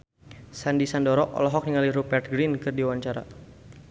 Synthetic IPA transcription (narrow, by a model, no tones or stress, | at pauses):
sandisandɔɾɔʔɔ̰lɔɦɔk̚niŋaliɾupɛrt̪̚ɡɾinkɨrdiwaɲt͡ʃaɾa̰